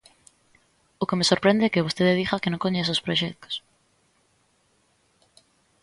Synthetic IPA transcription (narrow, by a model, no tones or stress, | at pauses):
ʊkemesoɾpɾend̪eɛkeβost̪eðeðixakenõŋkoɲes̬ospɾoʃɛk̚t̪ʊ̥s